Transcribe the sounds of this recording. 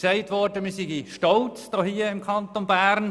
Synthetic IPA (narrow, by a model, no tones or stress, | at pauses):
sɛɪtʋɔɾdəmiːsiɡiʃtɔlt͡sd̥ɔːhiːəɪmkʰɑnt̪onbæːɾn